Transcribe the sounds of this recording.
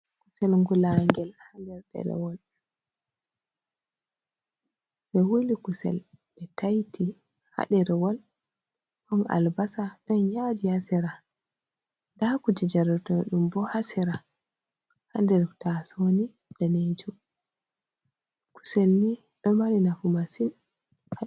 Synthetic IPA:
kusɛlŋɡulaŋɡɛlhandɛɾɗɛ̰ɾɛ̰wɔl | ɓɛwulikusɛ̰lɓɛtajtʰi | ha̰ɗɛɾɛwɔl | hɔnʔa̰lbasadɔnjadihasɛɾa | dakud͡ʒɛd͡ʒaɾɔtɔɗumbɔhasɛɾa | handɛɾtasoni | dɛned͡ʒu | ku̥sɛlni | ɗɔmaɾinafumasin

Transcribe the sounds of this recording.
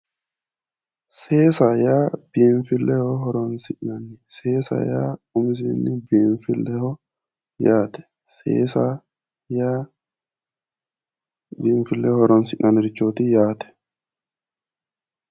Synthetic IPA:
seːsaːjaːbiːɱfɪlːɛhɔɦɔɾɔnsɪʔnɐnɪseːsa̰ja̰ːʊmɪs̬ḭːnːɪbiːɱfɪlːɛhɔ | jaːt̪ɛ̥ | sḛːsa | jaː | biːɱfɪlːɛhɔɾɔnsɪʔnʔɐnɛɾɪt͡ʃːoːt̪ɪjaːt̪ɛ̥

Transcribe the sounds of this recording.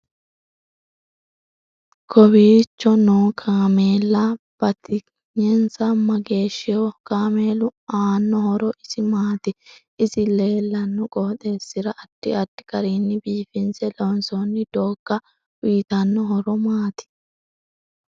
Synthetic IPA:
kʰɔbiːt͡ʃːɔnoːkʰaːmeːlːɐ | b̥ɐt̪ɪ | ɲɛnsɐmɐɡe̞ːʃːɪjɔkaːmeːlʊaːnːɔhɔɾɔʔɪsɪmaːt̪ɪ | ɪsɪleːlːɐnːɔkʼɔhɔt̪ʼeːsːɪɾɐʔɐd̪̥ːɪɐd̪ːɪ̥kʼɐɾiːnːɪbiːfɪnsɛlɔnsɔnːɪd̪̥oːɡ̥ːɐ | wiːt̪ɐnːɔɦɔɾɔmaːt̪ɪ̥

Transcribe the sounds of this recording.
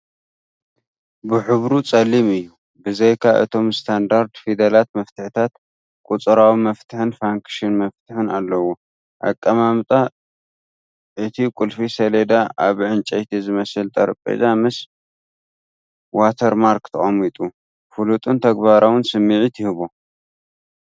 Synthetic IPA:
bɨħɨβɾut͡sʼɐlːimɨjːu | bɨzejkʰaʔɨ̰t̪ʰo̞mst̪ʰand̪aɾd̪fid̪ɐlat̪̚mɐft̪ʰɨħɨt̪ʰat̪ | kʼut͡sʼɨɾawimɐft̪ʰɨħɨnfaŋkʃɪnmɐft̪ʰɨħɨnalːɐwo | ʔa̰kʼːɐmamt̪ʼa | ʔɨt̪ʰikʼulfisɐled̪aʔaβʕɨnt͡ʃʼɐjt̪ʰizɨmɐsɨlt̪ʼʰɐɾpʼḛzamɨs | wat̪ʰɐɾmaɾkt̪ʰɐχʼɐmit̪ʼu | fulut̪ʼɨnt̪ʰɐɡbaɾawɨnsɨmːiʕit̪ʰɪhɨβo

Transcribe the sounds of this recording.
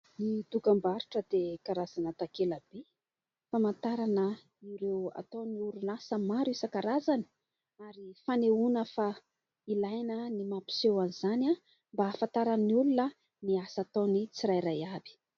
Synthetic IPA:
nit̪uɡambaɾuʈ͡ʂəd̪ekaɾazanət̪akeləbe | famant̪aɾanə | iɾewa̰t̪oniuɾunasəmaɾuisəkaɾazani̥ | aɾifaneunəfa | ilajnənimapi̥sewanizana | mbafant̪aɾaniulunə | niasat̪onit͡siɾajɾajabi̥

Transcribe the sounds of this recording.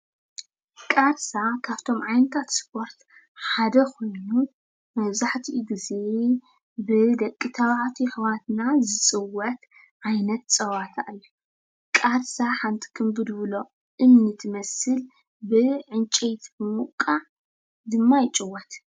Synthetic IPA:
kʼaɾsakʰaβt̪ʰo̞mʕajnɐt̪ʰat̪spʰo̞ɾt̪ | ħad̪ɐkʰo̞jnu | mɐβzaħt̪ʰiɡize | bɨd̪ɐkʼːit̪ʰɐβaʕt̪ʰiħɨwat̪nazɨsʼɨwːɐt̪ | ʕajnɐt̪sʼɐwat̪ʰaʔlːɐ | kʼaɾsaħant̪ʰʼi̥kʰɨmbɨd̪βɨlo̞ | ʔɨmnɨt̪ʰɨmɐsɨl | bɨʕɨnt͡ʃʼet̪ɨmukʼaʕ | d̪ɨmːajɪt͡ʃʼɨwːɐt̪

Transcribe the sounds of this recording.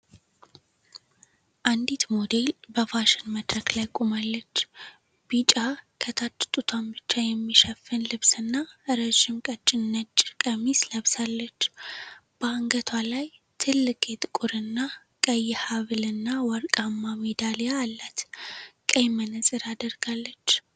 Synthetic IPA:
ʔand̪it̪mod̪e̞lbəfaʃɪnməd̪ɾəklajkʼumalːət͡ʃː | b̥it͡ʃʼakʰət̪ʰat̪ʼːt̪ʼut̪ʰambɨt͡ʃːajɛmːiʃəfːɨnlɨβsɨnːaʔɨɾəʒɪmkʼət͡ʃʼːɪnːət͡ʃʼːkʼəmisləβsalːət͡ʃːb̥əaŋɡət̪ʰwalaj | t̪ʰɨlːɨkʼʰet̪ʼkʼʊɾɨnːa | kʼəjːhaβɨlɨnːawɔɾkʼamːamed̪alijaːlːat̪kʼəjmənɨsʼɨɾad̪əɾɡalːət͡ʃː

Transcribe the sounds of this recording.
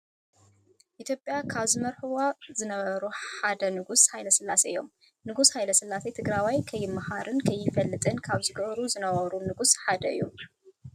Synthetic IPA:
ʔit̪ʰjopʼjakʰaβzɨmɐɾħuwozɨnɐβɐɾuħad̪ɐnɨɡushajlɐsɨlːaseɨjo̞̰m | nɨɡushajlɐsɨlːaset̪ʰɨɡɾawajkʰɐjːɪmːahaɾɨnkʰɐjːɪfɐlːɨt̪ʼɨnkʰaβzɨɡɐβɾuzɨnɐβɐɾunɨɡusħad̪ɐɨ̰jːu

